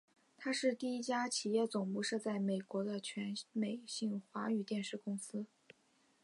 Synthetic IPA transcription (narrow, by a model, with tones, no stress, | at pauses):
t̪ʰa˥ʂɻ̩˥˧t̪i˥˩i˥t͡ɕja˥t͡ɕʰi˨˩jɛ˥˩t͡sʊ˨˩ŋpu˥˧ʂɤ˥˧t͡sa˥˩ɪme˨˩ɪkwɔ˧˥d̪ə˧t͡ɕʰɥɛ˧˥nme˨˩ɪɕi˥˩ŋxwa˧˥y˨˩t̪jɛ˥˧nʂɻ̩˥˩kʊ˥ŋsɹ̩˥